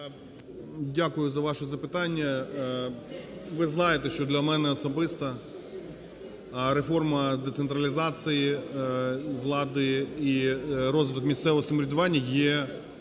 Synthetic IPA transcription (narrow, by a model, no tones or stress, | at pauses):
dʲakʊjʊzɐʋɑʃɔzɐpɪt̪ɑnʲːɐ | ʋɪznɑjet̪eʃt͡ʃɔd̪lʲɐmɛnɛɔsɔbɪst̪ɐ | ɾefɔrmɐd̪et̪sent̪ɾɐlʲizɑsɨji | ʋlˠɑd̪ɪirɔzʋɪt̪ɔkmʲist̪sɛʋɔɔsɐmɾʲɪd̪ʊʋɑnʲːɐjɛ